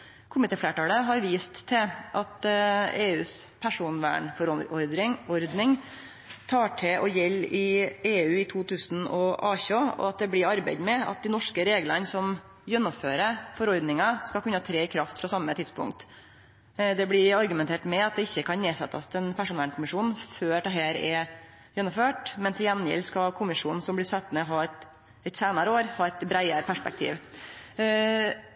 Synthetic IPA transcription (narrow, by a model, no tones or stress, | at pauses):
kʰʊmɪt̪ʰeːfleːʈɑːləɦɑɾʋiːst̪ʰːɛʔɑt̪eːʉːspʰæʂuːnʋæ̰ːɳfɔɾɔɾd̪ɪɔɾd̪nɪŋ | t̪ʰɑːʈʰɛʔɔjɛlːɪeːʉːɪt̪ʰuːt̪ʰʉːsn̩ɔ̰ʔɑːçoːɔ̰ɑt̪̚d̪ɛblɪɾɑɾbæ̰ɪd̪mɛɑ̰t̪̚d̪ɪnɔʂkəɾeːɡlənsɔm | jœnːɔmføːɾəfɔɾɔɾd̪nɪŋɑskɑkʉnːəɑːt̪ʰɾeːɪkʰɾɑft̪fɾɑsɑmːət̪ʰɪd̪spʰʊ̰ŋk̚t̪ | d̪ɛblɪɑɾɡʉmɛnt̪eːʈmɛɑt̪̚d̪ɛɪçːəkʰɑnneːsɛ̰t̪ːɑ̰st̪ʰɛnpʰæʂʊnɛlkʰʊmɪʂuːnn̩føːd̪ɛɦæːɾɛ | jɛnːʊmføːʈmɛnt̪ʰɪjɛnjɪ̰lskɑkʰʊmɪʂuːnn̩sɔmblɪsɑt̪ːmɛɦɑːɛt̪ | ɛt̪seːnɑɾəoːɾhɑːɛt̪bɾæɪəɾəpʰæʂpɛ̰k̚t̪ʰḭːʋ